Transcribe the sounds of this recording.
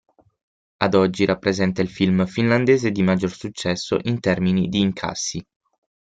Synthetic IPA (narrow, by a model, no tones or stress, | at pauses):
ad̪ɔd͡ʒːiɾʔapːɾezɛnt̪ailfilmfinland̪eːzed̪imad͡ʒːorsut͡ʃːɛsːo̰ʔint̪ɛrminid̪iːŋkʰa̰sːi